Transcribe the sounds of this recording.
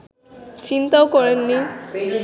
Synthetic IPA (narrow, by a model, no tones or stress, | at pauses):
t͡ɕint̪awkɔɹenːi